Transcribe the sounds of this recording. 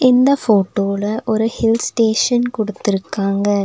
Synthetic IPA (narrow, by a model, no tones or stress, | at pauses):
ɪnd̪ɐfoːʈːoːlɐʔɔɾɯhɪlsʈeːʂɐnkɔɽɯt̪ːɪɾɯkːaːŋɡɐ